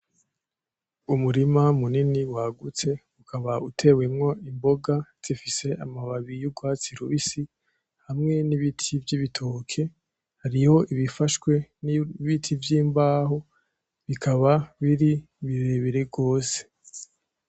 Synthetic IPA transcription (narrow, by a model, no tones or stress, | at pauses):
umuɾimamuniniwaɡut͡se̞ | ukʰaβautʰe̞we̞mŋo̞imbo̞ɡaz̥ifise̞ʔamaβaβijuɡwaːt͡siɾuβisi | hamŋe̞niβitʰivjiβitʰo̞kʰe̞ | haɾiho̞ʔiβifaʃkwe̞niβitʰivjiːmbaːɦo̞ | βikʰaβaβiɾi | βiɾeβiɾeɡo̞ːse̥